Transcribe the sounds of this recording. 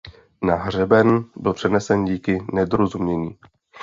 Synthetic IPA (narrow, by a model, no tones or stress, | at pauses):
naɦr̝ɛbɛnbɪlpr̥ɛnɛsɛnɟiːkɪnɛdɾozumɲɛɲiː